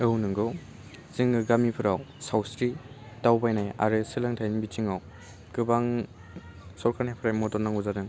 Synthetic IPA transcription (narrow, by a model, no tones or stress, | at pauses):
ɯwnɯŋɡɯw | zɯŋɡɯɡamipʰɯɾawsawsɾi | tawbajnaja̰ɾɯsɯlɯŋtʰajnibit͡ʃiŋaw | kɯbaŋ | sɔɾkʰaɾnajpʰɯɾajmɔtɔnːaŋuzadɯŋ